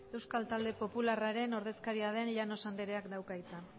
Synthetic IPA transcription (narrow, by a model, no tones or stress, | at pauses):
e̞wskalt̪ald̪e̞po̞pularaɾe̞no̞ɾð̞e̞skaɾiað̞e̞nʎano̞sand̪eɾe̞akd̪awkajt͡s̪a